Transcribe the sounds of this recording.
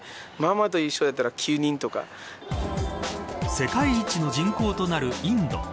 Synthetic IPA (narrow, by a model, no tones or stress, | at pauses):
mamat̪̬o̞iɕːod̪et̪ːaɾakʲʰɨːɲ̟ĩnt̪o̞ka̰ | se̞kaiit͡ɕino̞d͡ʑĩŋko̞ːt̪o̞naɾɯ̟ĩnd̪o̞̰